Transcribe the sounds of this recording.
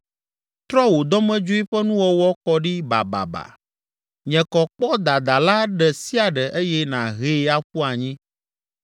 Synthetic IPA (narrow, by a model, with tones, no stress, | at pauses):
t̪ɾɔ˦wo˨d̪ɔ˦mɛ̃˦d͡ʒo˦i˦ɸɛ˦nũ˦wɔ˦wɔ˦kɔ˦ɖi˦ba̰˨ba̰˨ba̰˨ | ɲɛ̃˨kɔ˨k͡pɔ˦d̪a˨d̪a˨la˦ɖɛ˨si˦a˨ɖɛ˨ʔe˦jɛ˦nã˨ɦe˦a˦ɸu˦a˨ɲĩ˦